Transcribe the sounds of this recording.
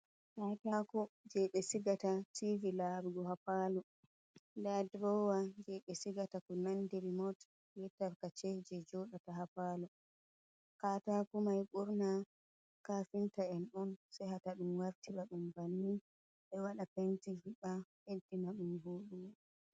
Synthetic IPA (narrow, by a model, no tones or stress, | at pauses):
katakɔd͡ʒɛɓɛsiɡatativilaɾɡɔhapalɔ | ndadɾɔwad͡ʒɛɓɛsiɡatakɔnandɛɾimɔt | jɛtaɾkat͡ʃɛd͡ʒɛd͡ʒɔɗataɦapalɔ | katakumajɓuɾna | kafintaɛnɔnsajhataɗumwaɾtiɓaɗumvanːi | ɓɛwaɗapentihiɓahentinaɗumɦuːɗuma